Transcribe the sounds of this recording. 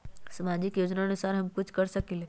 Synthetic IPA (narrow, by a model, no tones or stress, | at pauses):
səmad͡ʒɪkjoːd͡ʒnaənusaɾɦəmkʊt͡ʃʰkəɾsəkil